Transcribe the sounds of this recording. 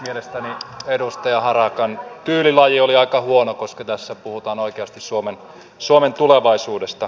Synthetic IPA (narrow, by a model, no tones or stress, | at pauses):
mielest̪æniedust̪ɑjɑhɑrɑkɑnt̪yːlilɑjioliɑikɑhuonokoskɑt̪æsːæpuhut̪ɑːnoikeɑst̪issuomen | suoment̪uleʋɑisuːdest̪ɑ